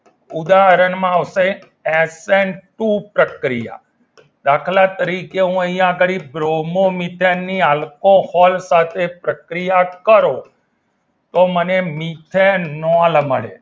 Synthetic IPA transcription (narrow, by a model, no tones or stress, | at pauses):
ud̪aɦəɾəɳmãəʋse | ɛseɳʈupɾəkɾija̰ | d̪akʰlat̪əɾikeɦũəijãəɡəɾibɾomomit̪ʰenːialkohɔlsat̪ʰepɾəkɾijakəɾo | t̪omənemit̪ʰenɔlməɭḛ